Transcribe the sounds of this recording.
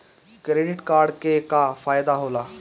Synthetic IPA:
kɾeːɖɪʈkaːɾɖkekafaːjd̪aɦoːlaː

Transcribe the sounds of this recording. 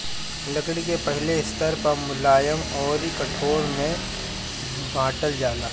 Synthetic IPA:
lɐkɽikepɐɦleɪst̪əɾpɐɾmʊlaːjəmɔːɾikɐʈʰoːɾmẽ | bʱãːʈəld͡ʒaːlaː

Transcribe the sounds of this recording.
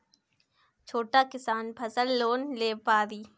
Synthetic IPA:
t͡ʃʰoːʈakɪsaːnpʰɐsəlːoːnleːpaːd̪iː

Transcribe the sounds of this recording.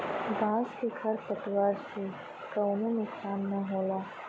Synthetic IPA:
d̪ãːskekʰɐɾpət̪waːɾse | kɐwnonʊksaːnːɐɦoːlaː

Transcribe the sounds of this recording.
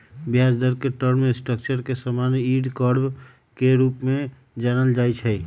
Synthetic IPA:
bjad͡ʒd̪əɾkeʈəɾmesʈəkt͡ʃəɾkesəmaniɖkəɾb | keɾupme | d͡ʒanəld͡ʒajt͡ʃʰə

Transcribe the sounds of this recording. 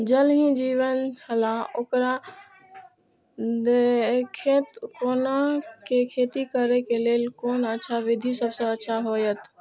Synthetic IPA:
d͡ʒəlɦĩd͡ʒiːwənhəlaokɾa | d̪ekʰet̪koːnakekʰeːt̪ikəɾekeleːlkoːnətːʃʰaʋɪd̪ʱisəbseətːʃʰaɦoːjət̪

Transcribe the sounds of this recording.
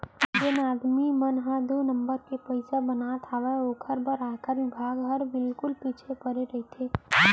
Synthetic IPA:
d͡ʒenaːd̪mimənɦãd̪oːnə̃mbəɾkepəɪsabənat̪ʰaʋɛoːkʰəɾbəɾaːkaɾʋɪbʱaːɡɦəɾbɪlkʊlpiːt͡ʃʰepəɾeɾəɦit̪ʰeː

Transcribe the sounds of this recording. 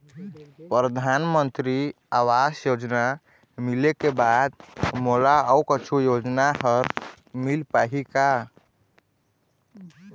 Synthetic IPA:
pɾɾəd̪ʱanmənt̪ɾi | awasjod͡ʒna | milekebad̪moɽaəukət͡ʃʰujod͡ʒnaɦəɾ | milpaɦika

